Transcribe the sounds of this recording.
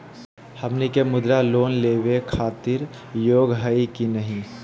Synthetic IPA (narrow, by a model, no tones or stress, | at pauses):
həmnikemʊd̪ɾaloːnleːʋekʰaːt̪ɪɾ | joːɡɦəikinəɦĩ